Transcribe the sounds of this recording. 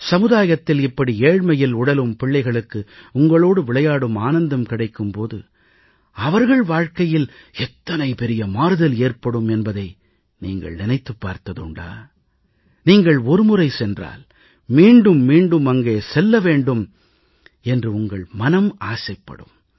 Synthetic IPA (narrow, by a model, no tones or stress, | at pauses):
sɐmɯðaːjɐt̪ːɪlɪpːɐɽieːɻmɐjɪlʊɽɐlɯmpɪɭːɐɪɣɐɭɯkːɯʊŋɡɐɭoːɽɯʋɪɭɐjaːɽɯmaːnɐnd̪ɐmkɪɽɐɪkːɯmpoːðɯ̰ | ɐʋɐɾɣɐɭʋaːɻkɐjɪlɛt̪ːɐnɐɪpɛɾɪjɐmaːɾɯðɐleːrpɐɽɯmɛnbɐðɐɪ | niːŋɡɐ̰ɭnɪnɐɪt̪ːɯpːa̰ːɾt̪ɐðɯ̰ɳɖa̰ː | niːŋɡɐɭɔɾɯmʊrɐɪsɛndra̰ːl | miːɳɖɯmːiːɳɖɯmɐŋɡeːsɛlːɐʋeːɳɖɯm | ɛndrɯʊŋɡɐɭmɐnɐmaːsɐɪpːɐ̰ɽɯ̰m